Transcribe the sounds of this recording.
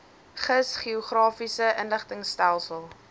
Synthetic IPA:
χəsχiuχrɑːfisəʔənləχtəŋstælˠsəlˠ

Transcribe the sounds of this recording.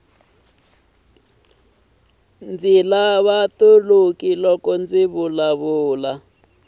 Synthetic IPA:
nd͡zilaβat̪olokilɔkɔnd͡ziβulaβuːla

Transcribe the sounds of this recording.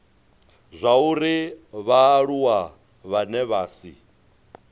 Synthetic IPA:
zʷauɾiβaːɺuwa | βanɛβaːsḭ

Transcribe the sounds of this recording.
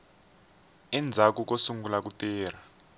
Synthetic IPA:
ɛnd͡zʱak̬uk̬osuŋɡulak̬utɛːr̤a

